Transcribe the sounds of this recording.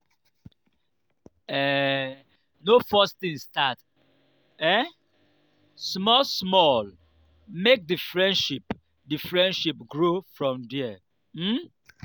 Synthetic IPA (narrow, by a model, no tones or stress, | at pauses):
ɛ | nofɔstĩŋstat | ɛ | smɔlsmɔl | mek̚difɹɛ̃nʃip | difɹɛ̃ndʃipɡɹofɹɔ̃mdɛɛ | m̩